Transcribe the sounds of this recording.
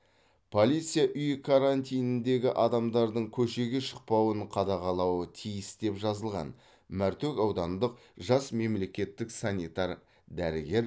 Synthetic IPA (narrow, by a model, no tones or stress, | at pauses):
pʰo̞lʲijt̪sɨjaʔʏjkʰaɾanʲt̪ʲijnɪnd̪e̞ɡʲɪʔɑd̪ɑmd̪ɑɾd̪əɴkʲʰɵʃe̞ɡʲe̞ʃə̥q̚pɑwəɴqʰɑd̪ɑʁɑlˠɑwət̪ʰijɪsd̪e̞pʒɑzəlˠʁɑ̰n | mæɾt̪ekʲɑwd̪ɑnd̪əq̚ | ʒɑsme̞mle̞kʲe̞t̪ːɪksanʲit̪ɑɾ | d̪æɾɪɡʲe̞ɾ